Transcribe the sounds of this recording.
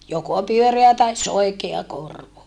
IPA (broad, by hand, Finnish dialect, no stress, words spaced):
joko pyøreæ tɑis soikeɑ korʋo